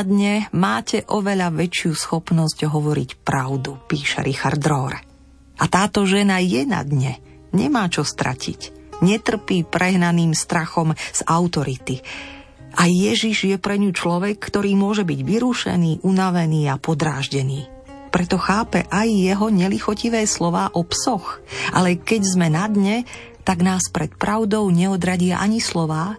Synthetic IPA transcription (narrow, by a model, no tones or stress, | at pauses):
d̪ɲɛmaːcɛʔɔʋɛʎaʋɛt͡ʃɪusxɔpnɔsɟɦɔʋɔɾḭcpɾaʊd̪upiːʃɛ̰ɾixaɾd̪ɾɔɾ | ʔat̪aːt̪ɔʒɛnajɛna̰d̪ɲɛ | ɲɛ̰maːt͡ʃɔst̪ɾa̰cʰḭcɲɛt̪r̩piːpɾʔɛɦnaniːmst̪ɾaxɔmz̥aʊt̪ɔɾit̪i | ʔajːɛʒiʒjɛpɾɛɲut͡ʃlɔʋɛkːt̪ɔɾiːmʊɔʒɛbiɟʋiɾuʃɛ̰niːʔunaʋɛniːapɔd̪ɾaːʒɟɛniː | pɾɛt̪ɔxaːpɛ̰ʔajːɛɦɔɲɛlixɔciʋɛːslɔʋaːʔɔpsɔxʔalɛkɛɟzmɛnad̪ɲɛ | t̪aɡnaːspɾɛt̪pɾaʊd̪ɔʊɲɛɔd̪ɾaɟɪaʔaɲislɔʋaː